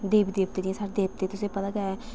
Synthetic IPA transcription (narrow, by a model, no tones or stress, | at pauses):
d̪eːbid̪eːp̚t̪eːdiẽsaɾd̪eːp̚t̪eːt̪ʊsẽːpət̪aːɡɛ